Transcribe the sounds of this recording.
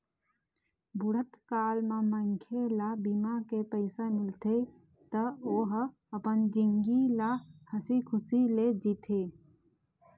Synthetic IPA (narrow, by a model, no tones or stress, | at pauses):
bʱʊɽət̪kaːlmãmə̃ŋkʰelabimakepəɪsamɪlt̪ʰe | t̪əoːɦ | əpənd͡ʒɪŋɡilahəsikʰʊsiled͡ʒit̪ʰe